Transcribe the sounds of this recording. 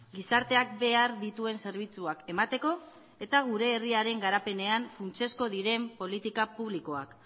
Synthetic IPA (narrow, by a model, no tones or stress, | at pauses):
ɡisaɾt̪e̞ak̚be̞aɾðit̪ue̞nse̞ɾβ̞it͡suake̞mat̪e̞ko̞ | e̞t̪aɣ̞uɾe̞ːriaɾe̞ŋɡaɾape̞ne̞aɱfunt͡se̞sko̞ðiɾe̞mpo̞lit̪ikapuβ̞liko̞ak